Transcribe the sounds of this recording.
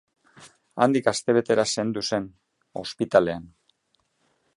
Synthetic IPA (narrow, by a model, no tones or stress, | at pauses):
a̰nd̪ikast̪e̞β̞e̞t̪e̞ɾase̞nd̪use̞n | o̞̰spit̪ale̞an